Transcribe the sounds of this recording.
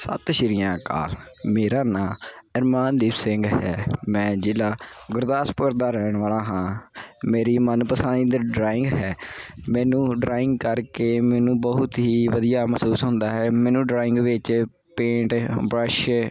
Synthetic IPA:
sə̰t̪ʃɪɾɪjãːka̰ːlmeːɾaːnãːɪɾmaːnd̪iːbsɪŋɡɦɛːmɛ̃ːd͡ʒɪːlaːɡʊɾd̪aːspʊɾd̪aːɾɛːɳ̃ʋaːlaːɦãːmeːɾiːmənpəsãːĩːd̪əɖɾaːɪŋɡɦɛːmɛ̃ːnũːɖɾaːɪŋɡkəɾkeːmɛːnũːbəɦʊt̪ɦiːʋəd̪ijaːməsuːsɦʊ̃nd̪aːɦɛːmɛːnũːɖɾaːɪŋɡʋɪt͡ʃ | pẽːɳʈbɾəʃ

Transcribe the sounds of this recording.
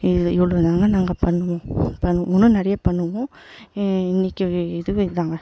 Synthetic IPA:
ɪɪʋɐɭoːðaːŋɡɐnaːŋɡɐpɐɳːɯʋõpɐɳːɯmɔnːɯnɛɾɐjɐpɐɳːɯʋõ | ɪnːɪkːɯɪðɯʋɯɪðaːŋɡɐ

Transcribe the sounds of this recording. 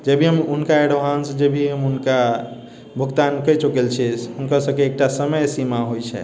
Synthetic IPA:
d͡ʒebʱiɦəmunkaeɽoɦansd͡ʒebʱiɦəmɦunka | bʱukt̪ankəjt͡ʃukelt͡ʃʰisɦunkəsəbkeːk̚ʈasəməjsimaɦojt͡ʃʰɛ̰

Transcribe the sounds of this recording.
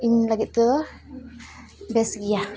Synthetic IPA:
iɲlaɡiʔt̪ə | bɛsɡija

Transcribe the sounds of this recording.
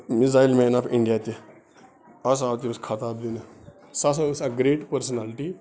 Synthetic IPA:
mizaːilmenɐpʰiɳɖijat̪i | ɐs̬aːt̪iskʰɐt̪aːbd̪inɨ | sɐs̬ɐusɐɡɾeːʈpəɾsɐnalʈi

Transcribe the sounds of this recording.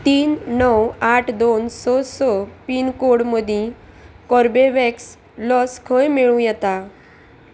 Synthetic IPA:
t̪iːnːɔwaʈʰd̪onsɔsɔpiːnkoɽməd̪ʱĩ | kɔɾbeʋɛks | lɔskʰəjmeɭũjɛt̪a

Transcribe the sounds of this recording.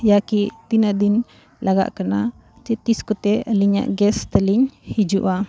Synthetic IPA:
jakiʔt̪inaʔd̪in | lʔaɡa̰ʔkana | t͡ʃɛt̪iskut̪ɛliɲa̰ʔɡɛst̪əliɲhid͡ʒuʔa

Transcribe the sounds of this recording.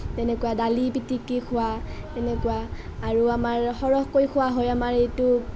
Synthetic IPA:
tɛnɛkʊwadalipitikːikʰʊwatɛnɛkʊwa | aɹuamaɹxɔɹɔɦkojkʰʊwaɦojamaɹejtʊ

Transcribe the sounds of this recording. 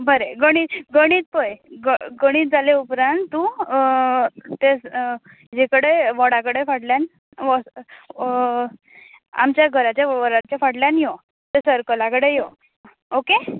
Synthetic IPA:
bəɾeɡəɽ̃iːɡəɽ̃iːt̪̚pəjɡəɡəɽ̃iːt̪̚d͡zaleupɾãnt̪ːu | t̪es | d͡ʑekəɽeʋɔɽakəɽefaɽljan | ʋɔ | a̰mt͡ɕjaɡʱəɾat͡ɕjaʋʋəɾat͡ɕafaɽljanjo | t̪esəɾkəlakəɽejo | oke

